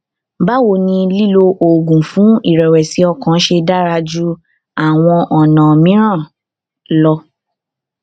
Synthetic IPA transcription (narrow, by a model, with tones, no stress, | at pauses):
ba˦wo˦˨nĩ˧li˦lo˧ʔo˨ɡũ˨fũ˨˦i˦˨ɾɛ˨wɛ˨si˨˦ɔ˧kã˨˦ʃe˧da˦ɾa˧d͡ʒu˦ | a˨w̃ɔ̃˧ʔɔ˨nã˨mĩ˦ɾ̃ã˦˨ | lɔ˧